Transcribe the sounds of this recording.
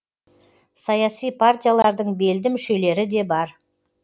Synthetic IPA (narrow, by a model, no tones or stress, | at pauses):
sɑjɑsijpʰart̪ijalˠɑɾd̪əɴbe̞ld̪ɪmʏʃe̞le̞ɾɪd̪e̞bɑɾ